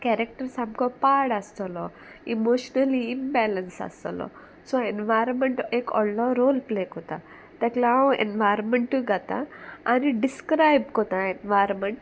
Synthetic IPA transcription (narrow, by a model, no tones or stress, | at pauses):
kɛɾek̚ʈəɾsamkɔpaɾɽast̪əlɔ | imoɕnəliːnbɛlənsa̰st̪lɔ̰ | sɔenʋajɾmeɳʈekɔ̰nlɔɾolplekot̪a | t̪aklaũḛnʋajɾmeɳʈuɡat̪ã̰ːniɖiskɾajb̚kɔt̪ãenʋajɾmeɳʈ